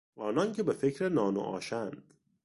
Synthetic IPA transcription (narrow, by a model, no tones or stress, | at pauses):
ʔɒːnɒncʰe̞be̞fe̞cʰɾenɒːno̰ʔɒ̰ːʃænd̪̥